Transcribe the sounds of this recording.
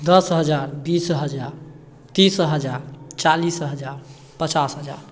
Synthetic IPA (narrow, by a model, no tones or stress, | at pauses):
d̪əsɦəd͡ʒaɾbisɦəd͡ʒaɾ | t̪isɦəd͡ʒaɾt͡ʃalisɦəd͡ʒaɾ | pət͡ʃasɦəd͡ʒa̰ɾ